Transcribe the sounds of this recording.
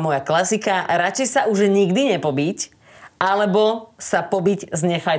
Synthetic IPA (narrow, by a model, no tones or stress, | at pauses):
mɔjaklasikaɾat͡ʃɛjsauʒɲiɡd̪iɲɛpɔbic | alɛbɔsapɔbiɟzɲɛfa